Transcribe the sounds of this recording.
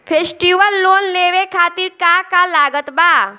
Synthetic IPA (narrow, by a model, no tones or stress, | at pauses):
pʰeːsʈiʋəlːoːnleːʋekʰaːt̪iɾkakalaːɡət̪baː